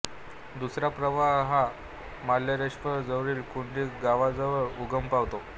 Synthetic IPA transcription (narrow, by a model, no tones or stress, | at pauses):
d̪usɾapɾəʋaɦɦa | maljaɾeɕfəɾd͡zəʋɾiːlkuɳɖiːɡaʋad͡zəʋəɭuɡəmpaʋt̪o